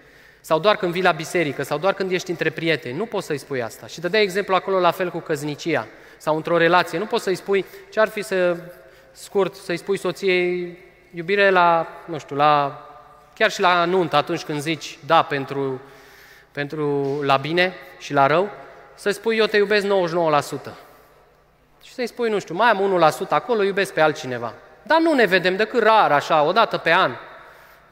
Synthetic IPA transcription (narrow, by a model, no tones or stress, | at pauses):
sawd̪oarkɨnd̪vijlabise̞ɾikəsawd̪oarkɨnd̪je̞ʃt̪ʲiɨnt̪ɾe̞pɾije̞t̪e̞nʲnupo̞t̪səjspuja̰st̪aʃid̪əd̪ae̞ɡze̞mpluako̞lo̞lafe̞lkukəznit͡ʃia̰ | sawɨnt̪ɾo̞ɾe̞lat̪sije̞nupo̞t̪səjspujt͡ʃearfisə | skurt̪səjspujso̞t̪sije̞j | jubiɾelanuʃt̪jula | kʲarʃilanunt̪əat̪unt͡ʃʲkɨnd̪zit͡ʃʲd̪ape̞nt̪ɾu | pe̞nt̪ɾulabine̞ʃilaɾəwsəjspujːot̪ejube̞s̬kno̞wəʃno̞wəlasut̪ə | ʃi̥səjspujnũʃt̪jumajamunulasut̪əako̞lo̞jube̞sk̚pe̞alt̪̚t͡ʃine̞va̰ | d̪anune̞ve̞d̪e̞md̪ekɨt̪raɾaʃao̞d̪at̪əpe̞an